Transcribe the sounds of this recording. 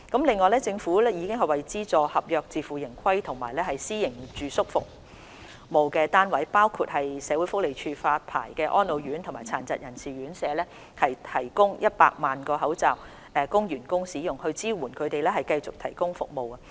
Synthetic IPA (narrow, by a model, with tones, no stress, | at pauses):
kɐ˨˥mlɪ˨ŋːɔː˨jlɛː˥t͡sɪ˧ŋfuː˨˥lɛː˥jiː˨˧kɪ˥ŋɦɐ˨jwɐ˨jt͡siː˥t͡sɔː˨hɐ˨p̚jœː˨˧k̚t͡siː˨˧fuː˨jɪ˨˩ŋkʰɐ˥jt̪ʰʊ˨˩ŋmaː˨˩jlɛː˥hɐ˨jsiː˥jɪ˨˩ŋt͡ʃyː˨sʊ˥k̚fʊ̰˨k̚ | mo˨wkɛː˧t̪aː˥nwɐ˨˥jpaː˥wkʰuː˧t̚hɐ˨jsɛː˨˧wu˨˥jfʊ˥k̚le˨jt͡ʃʰyː˧faː˧t̚pʰa̰ː˨˩jkɛː˧ʔɔ̰ː˥nlo˨˧wɥyː˨˥nt̪ʰʊ˨˩ŋmaː˨jt͡sʰa̰ː˨˩nt͡sɐ˨jɐ˨˩nsiː˨ɥyː˨˥nsɛː˨˧lɛː˥ | hɐ˨jt̪ʰɐ˨˩jkʊ˥ŋjɐ˥t̚pa̰ː˧k̚maː˨nkɔː˧ɦɐ˨˥wt͡sɐː˨w | ʔɛː˨˧kʊ˥ŋjyː˨˩nkʊ˥ŋsiː˨˥jʊ˨˩ŋhɵ˧ɥt͡siː˥wuː˨˩nkʰɵ˨˧ɥt̪e˨jlɛː˥hɐ˨jkɐ˧jt͡sʊ˨k̚t̪ʰɐ˨˩jkʊ˥ŋfʊ˨k̚mo˨wɐ˧